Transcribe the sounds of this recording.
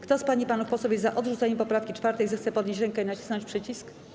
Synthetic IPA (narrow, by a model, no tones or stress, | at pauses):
kt̪ɔspaɲipanufpɔsɔbʲjɛzaʔɔd̪ʐut̪sɛɲɛmpɔpɾafkʲit͡ʂfaɾt̪ɛjzɛxt̪sɛpɔd̪ɲeɕt͡ɕɾɛŋkɛinat͡ɕi̥snɔɲt͡ɕʲpʂɘt͡ɕisk